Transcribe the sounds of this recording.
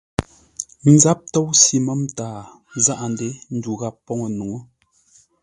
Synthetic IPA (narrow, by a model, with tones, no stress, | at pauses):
n̩˨˦za˦p̚tɔ˦wsi˦mə˦mtaː˨˦˨ | za˦ʔa˨n˨de˦n̩˦du˨ɣa˦˨pːɔ˦ŋo˨nu˨ŋo˦